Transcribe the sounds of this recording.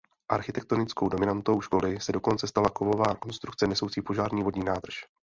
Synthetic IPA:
ʔaɾxɪt̪ɛk̚t̪o̞nɪt͡sko̞wdo̞mɪnant̪o̞wʃko̞lɪsɛdo̞ko̞nt͡sɛst̪alakovo̞vaːko̞nst̪ɾukt͡sɛnɛsowt͡siːpo̞ʒaːɾɲiːvo̞dɲiːnaːd̪r̩ʃ

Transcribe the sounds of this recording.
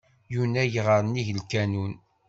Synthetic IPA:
junæjʁəɾˤəniʝəlkænun

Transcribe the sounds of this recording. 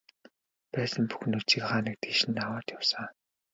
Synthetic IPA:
pæːsə̆mpu̥x̆nɵt͡ɕĭkχaːnə̆k̚t̪ɡiʃɘ̆nawaːt̪jawsə̆ŋ

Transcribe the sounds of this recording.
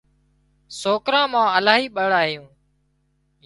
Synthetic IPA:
soːkɾãːmãːəlaːɦiːɓəɽaːɦijũː

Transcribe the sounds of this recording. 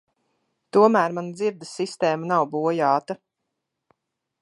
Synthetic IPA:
t̪uɔmæːɾmand̪ziɾd̪əsːist̪ɛːmanawbuɔjaːt̪a

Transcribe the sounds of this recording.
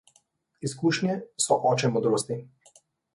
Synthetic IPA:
iskuːʃnjɛsɔʔɔːt͡ʃɛmɔd̪ɾoːst̪i

